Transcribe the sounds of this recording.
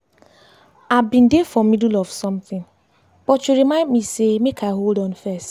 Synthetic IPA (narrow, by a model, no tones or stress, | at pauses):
abin̩defɔmidulɔvsɔ̃mθɪ̃n | k͡pɔt͡ʃuɾimãɪdmisemekʰaɦoldɔ̃nfɛst